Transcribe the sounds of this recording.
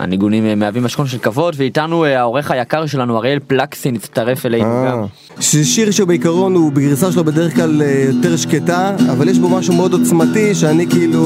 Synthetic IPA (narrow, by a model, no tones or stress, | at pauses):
a̰niɡunimmeavimaʃkonʃ̬e̞lkavo̞dveitanuao̞ʁe̞χajakaʁʃe̞lanuaʁeelplaksinitt͡st̪aʁe̞felejɡa | ʃʃiʁʃeubeikaʁo̞nubeɡʁisaʃelobed̪eʁeχklalejoteʁʃketaavaljeʃbomaʃumeo̞d̪ot͡smatiʃeanikiilu